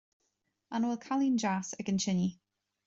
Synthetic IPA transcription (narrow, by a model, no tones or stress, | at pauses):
anlˠkʰalˠɪ̃nd͡ʒasəɡənt͡ʃʰɪnji